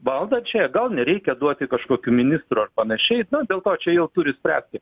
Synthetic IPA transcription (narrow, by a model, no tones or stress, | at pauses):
ʋɐlˠd̪ɐt͡ʃʲɛɡɐlˠnʲɛɾʲɛɪkʲɛd̪uɔt̪ʲɪkɐʃkoːkʲuːmʲɪnʲɪst̪ɾuɐrpɐnɐʃʲɛɪnʊd̪ʲeːlˠt̪oːt͡ʃʲɛjɛʊt̪ʊɾʲɪsʲpʲɾʲæ̰ːsʲt̪ʲɪ